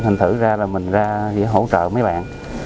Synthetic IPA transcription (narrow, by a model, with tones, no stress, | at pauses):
hʰï˨˩ŋ̟t̪ʰɨ˧˩zaː˧laː˨˩mï˨˩ŋ̟zaː˧zḭ˧˥ɦo̰˧˥t͡ɕə̰ː˧˨mə˨˦jɓa̰ː˧˨nʔ